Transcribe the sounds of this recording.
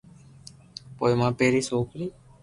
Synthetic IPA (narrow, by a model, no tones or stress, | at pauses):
pojmãːpeɾisokli